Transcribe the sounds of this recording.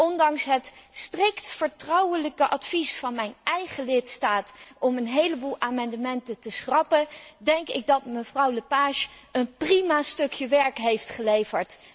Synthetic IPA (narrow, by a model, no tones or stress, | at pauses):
ʔɔndɑŋsɦətstrɪktfəɹtrɑwələkəʔɑtfisfɑnmɛjnɛjχəlɪtstaːtɔmənɦejləbuːlˠaːmɑndəmɛntətəsχrɑpədɛŋkɪɡ̚dɑtməvrɑwləpaːʃənprimastɵkjəʋɛɹkɦejftχəlejvəɹt